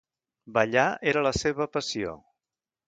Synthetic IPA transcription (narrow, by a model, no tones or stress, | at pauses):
bəʎaeɾələseβəpəsio̰